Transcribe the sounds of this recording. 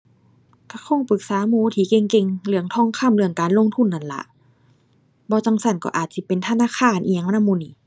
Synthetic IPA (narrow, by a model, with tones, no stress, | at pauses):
ka˧˩kʰɔ˧˥˨ŋpɯ˧˦k̚saː˨˦muː˧˦t̪ʰiː˧˦ke˧ŋke˧ŋlɯ˧˨əŋt̪ʰɔː˧˥˨ŋkʰa˧˥˨mlɯ˧əŋkaː˨nlo˧˨ŋt̪ʰu˧˥˨nːa˧˩˨nla̰˧ʔ | bɔː˧˦t͡ɕa˧˩ŋsa˧˩˨nkɔ̰˧ʔaː˨˩t̪̚si˧˦pe˨nt̪ʰa˧naː˧˨kʰaː˧˩˨nʔi˧˨a˧ŋm˧na˧˨muː˧˨niː˧˦